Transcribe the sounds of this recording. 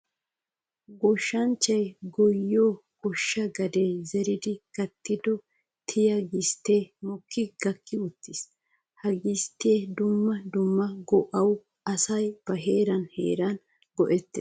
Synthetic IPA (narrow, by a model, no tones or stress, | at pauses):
ɡɔʃːɐnt͡ʃːɐjɡɔjːoː | ɡ̥ɔʃːɐɡɐd̪ezɛɾɪd̪ɪkɐt̪ːɪd̪ɔ | t̪ʰɪjɐɡɪst̪eːmɔkʰːɪɡ̥ɐkːɪʊt̪ːɪs | hɐɡɪst̪ːeːd̪ʊmːɐd̪ʊmːɐɡɔʔɐw | ɐsɐjb̥ɐɦeːɾɐnhe̞̰ːɾɐn | ɡ̥ɔʔɛt̪ːɛ